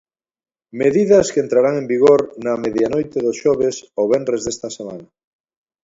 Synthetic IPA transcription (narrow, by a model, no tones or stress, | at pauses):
meðiðɐskent̪ɾaɾaŋẽmbiɣ̞oɾnɐmeðjanojt̪eðosʃɔβ̞esoβenrezðest̪ɐsema̰nɐ